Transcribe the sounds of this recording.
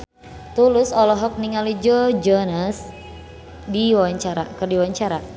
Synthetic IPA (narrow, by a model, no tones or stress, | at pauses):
t̪ulʊsɔlɔɦɔk̚niŋalid͡ʒɔd͡ʒənəs | diwawaɲt͡ʃaɾakərdiwaɲt͡ʃaɾa